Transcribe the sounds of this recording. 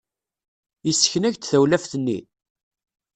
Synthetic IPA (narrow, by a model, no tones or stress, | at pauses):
əsːə̥çnæʝt̪θæwlæfθənːḭ